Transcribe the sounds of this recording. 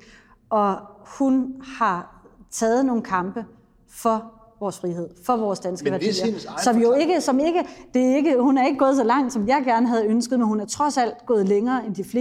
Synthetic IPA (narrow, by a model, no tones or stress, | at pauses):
ʔɒ̽hunhɑ̈t͡sʰɛːð̩ˠno̝ːn̩kʰɑ̈mb̥ə | fɒ̽ | ʋɒːsfʁihe̝ð̰ˠfɒ̽ʋɒːsd̥ænsɡ̥əʋæɐd̥ḭːɐsɒ̽mjo̝e̝ɡ̥əsɒ̽me̝ɡ̥əd̥e̝æe̝ɡ̥əhunæɐe̝ɡ̥əɡɔ̽ːð̞̩ˠs̬ɒ̽lɑ̈ŋ̰d̥sɒ̽mjɑ̈ɪɡ̥æɐnəɦæð̞̩ˠønsɡ̥əð̩ˠmenhunæɐt͡sʰʁɒ̽sæl̰d̥ɡ̥ɔ̽ːð̩ˠleŋɐːend̥ifle